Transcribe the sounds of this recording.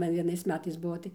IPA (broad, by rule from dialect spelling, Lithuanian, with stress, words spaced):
ˈmɐn ʋʲiɛˈnɐɪs ˈmʲæːtɐɪs ˈbuɔ tɐɪ